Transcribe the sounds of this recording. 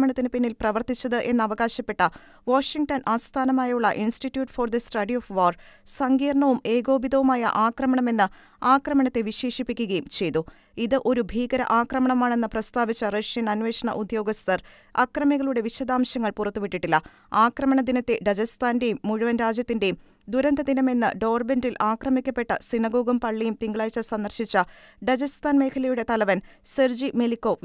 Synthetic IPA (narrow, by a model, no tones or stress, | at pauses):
mɐɳɐt̪ːinɨpinːilprɐʋɐrt̪ːit͡ɕːɐðɨʔe̞nːɨɐʋɐɣaːɕɐpːe̞ʈːɐ | ʋoːʂiŋɡʈɐnʔaːst̪ʰaːnɐmaːjɐjuɭːɐʔinsʈitːjuːʈːford̪ɐsʈɐɖioːfʋaːrsɐŋɡiːrɳɐʋume̞ːɡo̞ːbid̪ɐʋumaːjɐ̰ʔaːkrɐmɐɳɐme̞nːɨ | aːkrɐmɐɳɐt̪ːe̞ʋiɕe̞ːʂipːikʲːuɣɐjumt͡ɕe̞jt̪ːu | iðɨʔo̞ɾubʱiːɡɐɾɐ̰ʔaːkrɐmɐɳɐmaːɳe̞nːɨprɐst̪aːʋit͡ɕːɐrɐʂjɐnɐnʋe̞ːʂɐɳɐ̰ʔud̪jo̞ːɡɐst̪ɐr | ɐ̰krɐmiɣɐɭuɽe̞ʋiɕɐd̪aːmɕjɐŋːɐɭpurɐt̪ːuʋiʈːiʈːilːɐ | aːkrɐmɐɳɐd̪inɐt̪ːe̞ɖɐd͡ʑɐst̪aːnde̞jumːuɻuʋɐnɾaːd͡ʑjɐt̪ːinde̞jum | d̪uɾɐnd̪ɐd̪inɐme̞nːɨ̰ɖo̞ːrbendilʔaːkrɐmikʲːɐpːe̞ʈːɐsinɐɡo̞ːɡɐmpɐɭːijumt̪iŋɡɐɭaːjt͡ɕːɐsɐnd̪ɐrɕit͡ɕːɐɖɐd͡ʑɐst̪aːnme̞ːkʰɐlɐjuɽe̞t̪ɐlɐʋɐnserd͡ʑimelikːo̞ː